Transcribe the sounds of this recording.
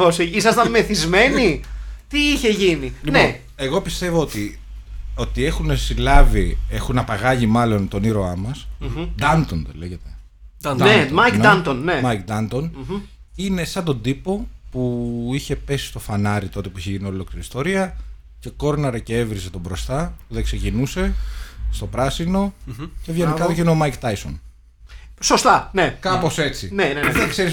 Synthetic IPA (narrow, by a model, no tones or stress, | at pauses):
osiisɐst̪ɐnme̞θizme̞nit̪iiçe̞ʝiniline | e̞ɣo̞pist̪e̞voot̪i | o̞t̪ie̞xunesilɐvie̞xunɐpɐɣɐʝimɐlo̞nt̪o̞niɾo̞ɐmɐsd̪ɐnt̪ond̪ḛle̞ʝet̪e | nemajkdɐnt̪onnemɐjk̚d̪ɐnt̪on | ine̞sɐnd̪o̞d̪ipo̞puiçe̞pe̞si̥st̪o̞fɐnɐɾit̪o̞t̪e̞puiçeʝinio̞lokiist̪o̞ɾiɐ | ce̞ko̞ɾnɐɾɐcee̞vɾize̞t̪o̞bɾo̞st̪ɐpuðekse̞cinuse̞st̪o̞pɾɐsino̞cevʝenikɐt̪oceineomɐjkt̪ɐjso̞̰n | sost̪ɐnekɐpo̞se̞t͡sineneðekseɾis